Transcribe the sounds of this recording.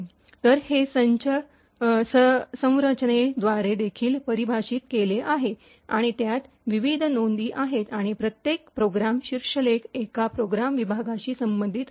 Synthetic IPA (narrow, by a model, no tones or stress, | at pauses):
t̪əɾhesəɲt͡ɕə | səsə̃w̃ɾət͡ɕɳed̪ʋaɾed̪ekʰiːlpəɾibʱaɕiːt̪keleʔaɦe | aɽ̃it̪jat̪ | ʋiʋid̪ʱnond̪iːʔaɦet̪aɽ̃ipɾət̪jek̚pɾoɡɾamɕiɾʂəlekekapɾoɡɾamʋibʱaɡaɕiːsəmbənd̪ʱit̪